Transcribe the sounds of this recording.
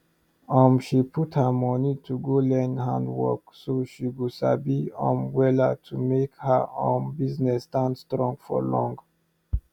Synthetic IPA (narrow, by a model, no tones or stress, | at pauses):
ɔmʃipʰuthəmɔnitʰuɡolɛ̃ndhã̰ndwɔ̰ksoʃiɡusa̰biɔ̰̃mwɛla̰tʰumekhə̰õnbiznɛstãnstɹɔ̃ŋɡfɔ̰lɔ̃ŋɡ